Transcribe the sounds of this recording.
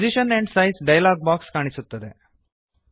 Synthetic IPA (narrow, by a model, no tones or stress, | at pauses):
d͡ʑiɕəneɳɖsajsɖajlaɡ̚bakskaɽ̃isut̪ːəd̪e